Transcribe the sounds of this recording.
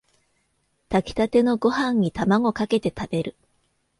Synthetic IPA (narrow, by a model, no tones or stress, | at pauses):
t̪akʲi̥t̪at̪e̞no̞ɡo̞hãɲ̟ːit̪amaɡo̞kake̞t̪e̞t̪ab̥e̞ɾɯ̟